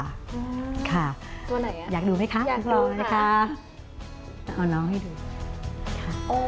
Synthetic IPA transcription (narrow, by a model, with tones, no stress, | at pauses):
kʰa˥˩t̪u˧ɐna˨˩jaː˨˩k̚duː˧ma˦˥jkʰa˦˥ʔu˦ɔː˧na˦˥kʰa˦˥ | t̪a˧˩ʔa˧˩nɔː˦˥ŋma˥˩jduː˧ | kʰa˥˩ʔ